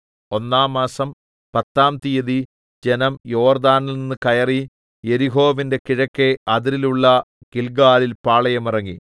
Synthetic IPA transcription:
o̞nːaːmːaːsɐm | pɐt̪ːaːmt̪ijɐði | d͡ʑe̞nɐmjo̞ːrd̪aːnɐlninːɨkɐjɐri | je̞ɾiɦo̞ːʋinde̞kiɻɐkːe̞ɐðiɾiluɭːɐ | kilɡaːlilpaːɭɐjɐmirɐŋːi

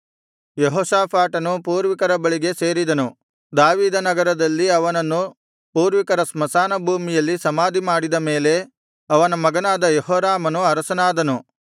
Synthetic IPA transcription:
jeɦoːsaːpʰaːʈɐnupuːɾʋikɐɾɐbɐɭiɡe̞se̞ːɾid̪ɐnu | d̪aːʋiːd̪ɐnɐɡɐɾɐd̪ɐlːiɐʋɐnɐnːu | puːɾʋikɐɾɐsmɐsaːnɐbʱuːmijɐlːisɐmaːd̪imaːɽid̪ɐme̞ːle̞ | ɐʋɐnɐmɐɡɐnaːd̪ɐjɔɦɔːɾaːmɐnuɐɾɐsɐnaːd̪ɐnu

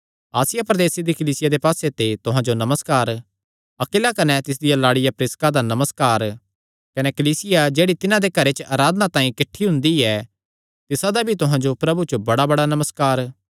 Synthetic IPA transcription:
aːsɪjapɾɐd̪eːsid̪ikɐliːsɪjad̪epaːset̪et̪ʊɦãd͡ʒonɐməskaːɾ | ɐkɪlakɐnɛt̪ɪsd̪ɪjalaːɽɪjapɾɪskad̪anɐməskaːɾ | kɐnekɐliːsɪjad͡ʒeːɽit̪ɪnãd̪ekɐɾet͡ʃəʔaːɾaːd̪nat̪ãːĩkɪʈʰːiɦʊ̃nd̪iɛ | t̪ɪsad̪abʱit̪ʊɦãd͡ʒopɾɐbut͡ʃobɐɽabɐɽanɐməskaːɾ

